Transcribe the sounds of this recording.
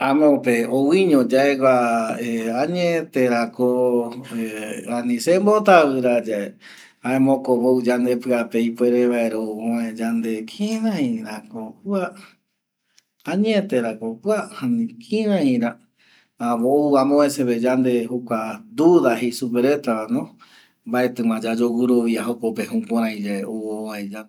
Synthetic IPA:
ãmõpeowiɲõd͡ʒaeɡʷaeaɲẽt̪eɾako | anĩsembot̪aβɨɾad͡ʒae | aẽmõkoβoud͡ʒand̪epɨapeipweɾeβaeɾouõẽd͡ʒand̪ekʰĩɾãĩɾakopua | ãɲet̪eɾakopuahanĩkʰĩɾãĩɾa | aβouãmõeseβed͡ʒand̪ehokʷad̪uðahesupeɾet̪aanõ | mbaet̪ɨ̃mãd͡ʒad͡ʒoɡuɾoβiaɦokopehũkãɾ̃ãĩd͡ʒaeʔooaed͡ʒa

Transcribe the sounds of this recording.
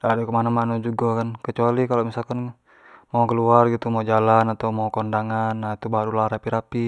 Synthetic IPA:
dadɛkəmanamanud͡ʒuɡakankət͡ʃualikalomisalkan | maukəluarɡit̪umad͡ʒalanat̪aumaukɔndaŋanːait̪ubaɦaɾulaɾapiɾapi

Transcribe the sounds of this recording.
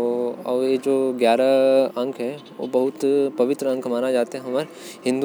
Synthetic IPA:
ɔ̰ːɾjed͡ʒoːɡjaːɾaɐ̃ŋkʰɦɛʋo̰ːbɐɦʊt̪pɐʋɪt̪ɾəɐ̃ŋkʰmaːnad͡ʒaːt̪eɦɛ̃ɦɐməɾ | ɦɪ̃nd̪

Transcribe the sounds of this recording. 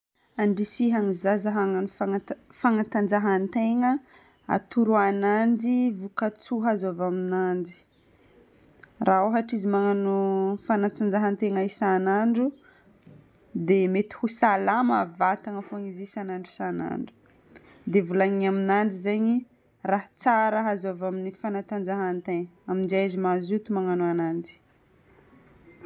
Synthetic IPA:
aɳɖ͡ʐisiɦaŋizazaɦaŋanfaafaŋat̪and͡ʒaɦant̪eŋə | a̰t̪uɾuanand̪ivukat͡suɦazavaminand̪i̥ | raoɦaʈ͡ʂizimaŋanofanat̪and͡zaɦant̪eŋaisanaɳɖ͡ʐu | d̪emet̪i̥husalamavat̪aŋəfoaŋizisanaɳɖ͡ʐu̥sana̰ɳɖ͡ʐu̥ | d̪evulaɲiaminand̪izeɲi | raɦt͡saɾəɦazovaminifanat̪and͡zaɦant̪eŋəamind͡ʒazimazut̪umaŋanoanandi̥

